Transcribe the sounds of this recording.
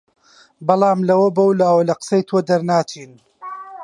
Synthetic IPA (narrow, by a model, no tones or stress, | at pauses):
bɑlˠɑːmlɐwɐbɐwlaːwɐlɐqə̥sɐjt̪ʰoːd̪ɐɾnaːt͡ʃʰiːn